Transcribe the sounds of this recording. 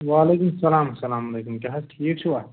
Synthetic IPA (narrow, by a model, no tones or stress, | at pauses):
ʋaːleːkumsɐlaːmsɐlaːmɐleːkumkɐɦɐʈʰiːk̚t͡ʃʰiwat̪